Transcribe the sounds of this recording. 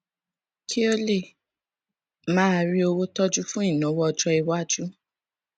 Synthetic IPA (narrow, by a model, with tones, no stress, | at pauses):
kʰi˦o˦le˦˨ | mãː˦˧ɾi˦o˧wo˦tɔ˦d͡ʒu˦fũ˦i˦˨nã˨˦wɔ˦ɔ˧d͡ʒɔ˧i˧wa˦d͡ʒu˦